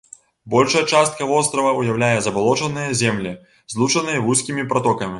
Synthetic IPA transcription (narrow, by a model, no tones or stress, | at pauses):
bɔlʲʂɐjɐt͡ʂast̪̚kɐvɔst̪ɾɐvɐujawlʲajɛzɐbalˠɔt͡ʂɐnɨjɐzʲɛmlʲi | zlˠut͡ʂɐnɨjɐvusʲkʲimʲipɾɐt̪ɔkɐmʲi